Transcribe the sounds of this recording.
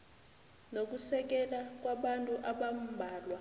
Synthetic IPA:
nok̬ʼusɛk̬ɛlak̬ʼwaɓantʼuʔaɓam̩bʱaːlwa

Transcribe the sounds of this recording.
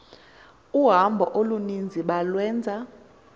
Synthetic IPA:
uɦambʱɔʔolunind͡zʱiɓalwɛːnd͡zʱa

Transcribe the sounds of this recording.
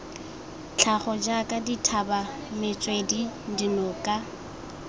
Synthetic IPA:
t͡ɬʰaχɔd͡ʒakʼaditʰaba | mɪt͡sʼwedidinɔkʼa

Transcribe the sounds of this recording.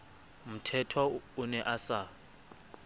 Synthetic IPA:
m̩tʰɛtʰɔʊnɛʔasa

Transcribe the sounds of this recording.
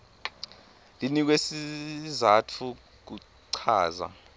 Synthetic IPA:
linik̬wesizatʰu | k̬u | ǀʰaːza̰

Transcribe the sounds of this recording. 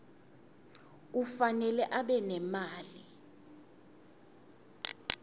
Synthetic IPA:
k̬ufanɛlɛʔaɓɛnɛmaːli

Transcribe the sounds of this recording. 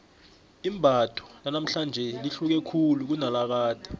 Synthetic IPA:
imbʱad̥ʰʱʼɔ̥nanam̩ɬand͡ʒʱɛliɬuk̬ɛkʰuluk̬unalak̬aːd̥ʱɛ̥

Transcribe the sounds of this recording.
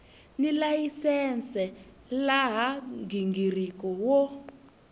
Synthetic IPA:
nilajisɛnt͡sɛ | laɦaŋɡiŋɡirikɔwɔ

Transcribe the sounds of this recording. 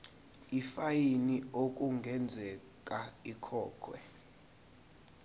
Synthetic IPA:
ifajiniok̬ʼuŋɡʱɛnd͡zʱɛ | kʼaikʰɔːkʰwɛ

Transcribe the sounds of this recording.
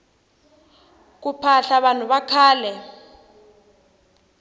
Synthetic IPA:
k̬upʰaɬaɓan̤uβakʰaːlɛ

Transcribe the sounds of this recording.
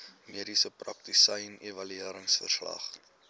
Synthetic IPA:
miəɾisəprɐ̰k̚tisəjnevɐlyiəɾəŋsfə̰rslɐ̰χ

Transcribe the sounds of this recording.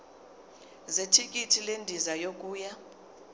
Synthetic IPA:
zetʰikʼitʰilendʱizajokʼuːja

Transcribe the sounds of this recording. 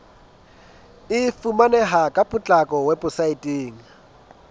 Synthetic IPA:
ɪfumanɛɦakʼapʼʊt͡ɬʼakʼɔwɛpʊsaitʼiːŋ̩

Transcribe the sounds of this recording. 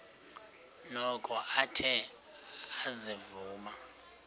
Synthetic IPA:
nɔkʰʼɔʔatʰɛ | azivuːma

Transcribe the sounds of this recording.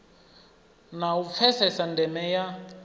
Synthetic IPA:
naup̪fʰɛsɛsandʱɛmɛja

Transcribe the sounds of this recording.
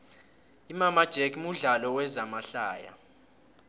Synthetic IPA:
imamad̥ʒ̥ʱɛkmuɮalɔwɛzamaɬa̰ːja̰

